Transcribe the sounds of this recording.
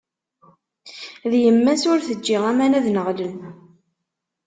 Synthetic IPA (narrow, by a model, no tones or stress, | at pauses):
ðjəmːæsʊɾθəd͡ʒːɪʁæmænæðnəʁlən